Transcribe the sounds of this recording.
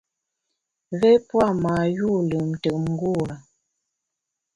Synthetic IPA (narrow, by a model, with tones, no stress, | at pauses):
vɛ˦pwa˦˨ma˨ju˦˨lə˨m̩˨tə˨km̩˨˦ɡu˦˨a˨